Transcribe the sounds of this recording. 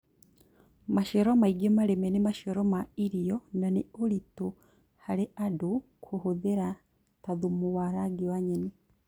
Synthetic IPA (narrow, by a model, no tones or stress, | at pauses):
maʃeɾomaiɡomalemɛnimaʃoɾomaiɾijɔnaniolitu | haleʔadu | kʰuhuðeɾa | taðumuwaɾaɡiwaɲeni